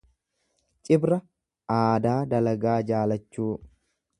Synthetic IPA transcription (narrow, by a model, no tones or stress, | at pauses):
t͡ʃʼɪbɾɐ | aːd̪aːd̪ɐlɐɡaːd͡ʒaːlɐt͡ʃːuː